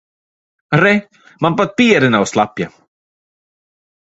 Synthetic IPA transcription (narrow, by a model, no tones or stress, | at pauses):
ɾe | manbad̪̚piːəɾɪnawslapja̰